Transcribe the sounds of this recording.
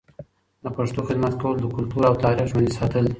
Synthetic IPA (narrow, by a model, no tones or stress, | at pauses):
d̪əpaʂt̪oxɪd̪mat̪kawəlod̪əkʊlt̪uɾawt̪ɑɾiʒwand̪isɑt̪əli